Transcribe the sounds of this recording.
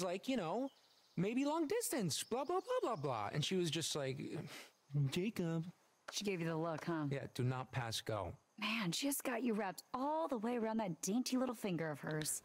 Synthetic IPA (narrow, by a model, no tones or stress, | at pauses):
zlaɪkjɨñoʊ | meɪbilɔ̃ŋdɪstɨ̃nsb̥lɑblɑblɑblɑblɑ̰ɨ̰̃nʃiwʌzd͡ʒʌst̚ˡlaɪk | d͡ʒeɪkɨb̥ | ʃiɡeɪvjɨðəlʊkhʌ̃jæ̰d̥ɨnət̚pʰæsɡ̥o̰ʊ | mæ̃nʃiɨsɡ̥ɑt͡ʃɨɹæp̚tɔlˠðəweɪə˞ãʊ̃nðɨt̚d̥ẽɪ̃ntʰilɪɾl̩ˠfɪ̃ŋɡə˞ʌv̥ə˞z̥